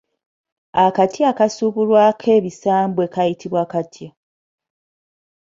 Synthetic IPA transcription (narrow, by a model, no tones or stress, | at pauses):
akatjaːkasuβulwakʰe̞ːβisaːmbwe̞kajitʰiβwaːkatʰja